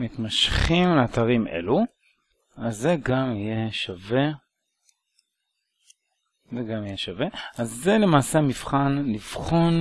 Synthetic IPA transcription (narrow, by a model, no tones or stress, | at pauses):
mit̪maʃχimleat̪aʁimʔe̞̰lu | azːe̞ɡamije̞ʃave̞ | zeɡamijeʃave̞azːele̞maːseamifχanliv̥χon